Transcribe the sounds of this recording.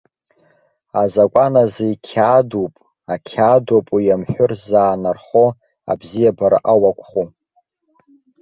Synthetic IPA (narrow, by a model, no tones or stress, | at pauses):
azakʷʼanazeikʲʰadupʼ | akʲʰaːdopʼujamħʷᶣʊrzaːnarχo | a̰bzijabaɾa̰ʔawakʷʰʼχu